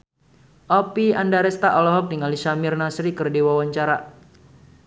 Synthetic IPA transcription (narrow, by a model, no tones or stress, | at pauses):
ʔɔpiandaɾɛst̪aʔɔlɔɦɔk̚diŋalisamirnasɾikərdiwawaɲt͡ʃaɾa